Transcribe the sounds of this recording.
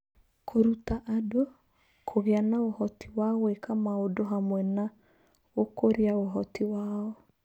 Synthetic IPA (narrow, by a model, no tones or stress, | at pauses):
kʰoɾutaʔado | kʰoɣeanaohɔtiwaɔwekamaodoɦamwɛna | okoɾiaoɦɔtiwaɔ